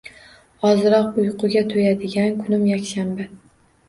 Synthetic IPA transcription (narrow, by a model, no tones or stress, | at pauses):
ɒzɪɾɒq̚ʊjqʰʊɡʲat̪ʰojad̪ɪɡʲankʰʊnɪmjakʲʃambɪ